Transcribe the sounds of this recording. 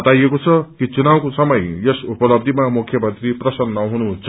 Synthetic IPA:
ʌt̪ajekot͡sʰʌkit͡sunawkosʌmʌjesupʌlʌb̚d̪ʱimamukʰjʌmʌnt̪riprʌsʌnːʌɦunuɦũnt͡sʰʌ

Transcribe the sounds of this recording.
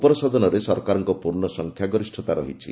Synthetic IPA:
pɔɾɔsɔd̪ɔnɔɾesɔɾkaɾɔŋkɔpuɾnɔsɔŋkʰjaɡɔɾisʈʰɔt̪aɾɔ̰ɦit͡ʃʰḭ

